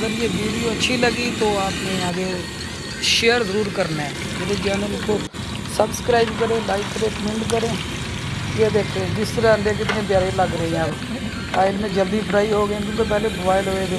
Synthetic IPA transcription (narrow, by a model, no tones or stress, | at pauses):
əɡəɾjeːʋiːɖiːoːətːʃʰiːləɡiːt̪õːaːpnẽːaːd̪eo | ʃeːəɾzəɾuːɾkəɾnɛː | med̪eːd͡ʒɛːnəlko | səbskɾaːiːbkəɾẽːlaːɪkʰɾeːkmɪ̃ɳɖkəɾẽː | eːd̪eːkʰːɾẽːd͡ʒɪst̪əɾaːəɳɖeːkɪt̪nẽːb̪jaːɾeːləɡɾəɦẽːãː | paːɪlmẽːd͡ʒəld̪iːpʰəɾaːiːɦoːɡəẽːt̪ʊ̃ːkeːp̬ɛːleːbəbaːɪlɦoːeːd̪e